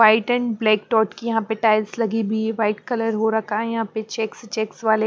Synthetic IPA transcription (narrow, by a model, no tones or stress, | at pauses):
ʋaːɪʈɛ̃nblɛːkʈɔːʈkijɐɦãpeʈaːɪlslɐɡibʱiʋaːɪʈ̚kɐləɾɦoɾɐkʰaɛ̃jɐɦãpet͡ʃeːkst͡ʃɛːksʋaːle